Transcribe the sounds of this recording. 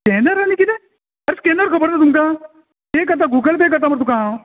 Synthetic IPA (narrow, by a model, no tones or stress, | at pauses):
keːnəɾanikit̪e | ɐɾskeːnəɾkʰəbəɽd̪at̪̬umkaː | peːkɐt̪̬aɡuːɡəlpekɐt̪̬amɐɾt̪ukã